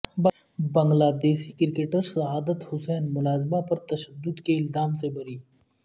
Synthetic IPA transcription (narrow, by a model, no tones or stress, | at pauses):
b | bɐ̃ŋɡlaːd̪eːʃikɪɾɪkeːʈəɾsɐɦaːd̪ət̪hʊsɛːnmʊlaːzbapɐɾt̪ɐʃəd̪ːʊd̪keɪlzaːmsebʱɐɾiː